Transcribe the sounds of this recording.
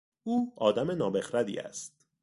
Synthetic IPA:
uːɒːd̪æme̞nɒːbe̞xɾæd̪ḭːæ̰st̪̚

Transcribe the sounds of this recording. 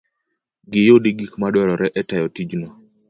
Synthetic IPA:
ɡɪjodiɡikmadwɔɾɔɾɛʔɛtajɔtid͡ʒnɔ

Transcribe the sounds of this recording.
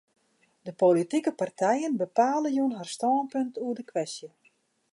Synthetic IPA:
dəpolitikəpartʰɛjənbəpaːləjunɦarstɔːnpɵntʰuədəkʋɛstjə

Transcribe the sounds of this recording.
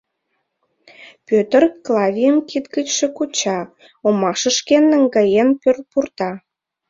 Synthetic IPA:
pøt̪ərklˠɑvʲijəmkit̪ɡət͡ɕʃĕkut͡ɕɑ | omɑʃə̆ʃkenːəŋɡɑjenpør̚purt̪ɑ

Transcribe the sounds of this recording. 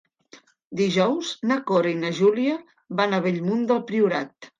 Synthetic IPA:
d̪iʒɔwznakoɾinəʒuliə | βanəβeʎmund̪əlˠpɾiuɾat̪

